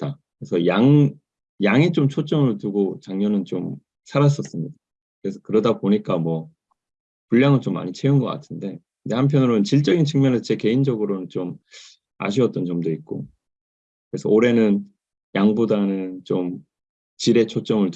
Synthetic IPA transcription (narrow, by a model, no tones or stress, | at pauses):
t͈akɯɾe̞sʰʌjaŋ | jaŋit͡ɕomt͡ɕʰot͡ɕ͈ʌmɯɭtuɡot͡ɕaŋɲʌnɯnt͡ɕom | sʰaɾas̬͈ʌs͈ɯmɲida | kɯɾe̞sʰʌkɯɾʌdapoɲik͈amwʌ | puɭːjaŋɯɭt͡ɕomːa̰ɲit͡ɕʰe̞unɡʌk͈a̰tʰɯnde̞kɯnde̞hampʰjʌnɯɾonɯnt͡ɕiɭt͡ɕ͈ʌɡint͡ɕʰɯŋmjʌnesʰʌt͡ɕeke̞ind͡ʑʌɡɯɾonɯnt͡ɕom | a̰ɕ̬ʰiʌt͈̚ʌnt͡ɕʌmdoik̚k͈o | kɯɾe̞sʰʌoɾe̞nɯn | jaŋbodanɯnt͡ɕom | t͡ɕiɾe̞t͡ɕʰot͡ɕ͈ʌmɯɭ